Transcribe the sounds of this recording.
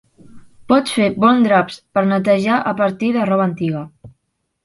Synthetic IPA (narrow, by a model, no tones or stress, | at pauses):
pɔt͡sfeβɔnd̪ɾapspəɾnət̪əʒaʔəpəɾt̪iðərɔβənt̪iɣə